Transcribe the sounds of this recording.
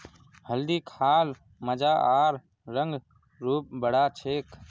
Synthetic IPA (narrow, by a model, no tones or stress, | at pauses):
həld̪iːkʰaːl | məd͡ʒaːʔaːɾ | ɾəŋɡ | ɾuːp̚bəɽat͡ʃʰeːk